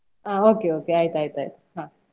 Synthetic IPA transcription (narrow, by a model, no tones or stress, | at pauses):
aokʲeoːkʲeait̪ait̪ait̪ahã